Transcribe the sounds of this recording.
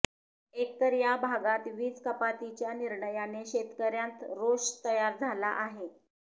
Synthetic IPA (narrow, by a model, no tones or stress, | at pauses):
ek̚t̪əɾjabʱaɡat̪ʋiːt͡skəpat̪it͡ɕjaniɾɳəjaneɕet̪kəɾjãnt̪ɾoʂt̪əjaɾd͡zʱala̰ʔaɦe